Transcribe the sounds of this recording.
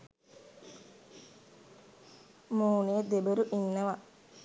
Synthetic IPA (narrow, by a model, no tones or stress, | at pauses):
muːnejed̪ebəɾuʔinːəʋa